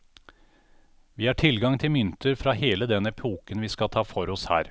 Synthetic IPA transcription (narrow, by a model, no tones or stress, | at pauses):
ʋiːhɑːʈʰɪlɡɑŋt̪ʰɪlmʏnt̪ʰəɾfɾɑheːləd̪ɛnːəpʰuːkənʋiːskɑt̪ʰɑːfɔɾɔshæ̰ːɾ